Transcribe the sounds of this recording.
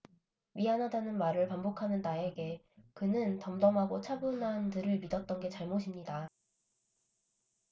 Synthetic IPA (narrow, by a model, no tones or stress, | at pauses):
ɥiɦanɦadanɯnmaɾɯɭpambokʰanɯntae̞ɡe̞ | kɯnɯntʌmdʌmɦaɡot͡ɕʰabɯnɦandɯɾɯɭmidʌt̚t͈ʌnɡe̞t͡ɕaɭmoɕʰimɲida